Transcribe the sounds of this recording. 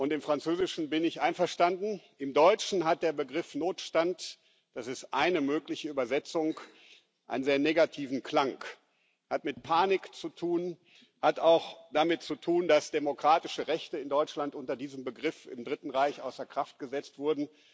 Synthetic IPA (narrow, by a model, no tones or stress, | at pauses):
ʔʊntɪmfʁ̥ant͡søːzɪʃn̩bɪnɪçʔaɪnfɛɐʃtandn̩ʔɪmdɔʏt͡ʃn̩ɦat̚d̥eːɐbəɡʁɪfnoːtʃtant | d̥asɪstʔaɪnəmøːklɪçəyːbɐzɛt͡sʊŋk | ʔa̰ɪnənzeːɐneːɡatʰiːvn̩kʰl̥aŋk | hatmɪtpʰaːnɪkt͡sutʰuːn | hataʊxd̥amɪt̚t͡sutʰuːndasd̥emokʁ̥aːtɪʃəʁɛçtəɪndɔʏt͡ʃlantʔʊntɐdiːzəmbəɡʁɪfɪ̰mdʁɪtn̩ʁaɪçʔa̰ʊsɐkʁ̥aft̚ɡ̥əzɛt͡stv̥ʊɐdn̩